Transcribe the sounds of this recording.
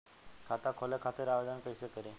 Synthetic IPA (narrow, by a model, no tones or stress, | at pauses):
kʰat̪akʰɔlekʰat̪əɾaʋed̪ənkəjsekəɾe